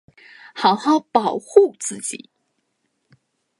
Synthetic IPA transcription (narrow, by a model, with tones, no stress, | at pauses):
xɑ˧˥ʊxɑ˥˩ʊpɑ˨˩ʊxu˥˧t͡sɹ̩˥˩t͡ɕḭ˨˩˦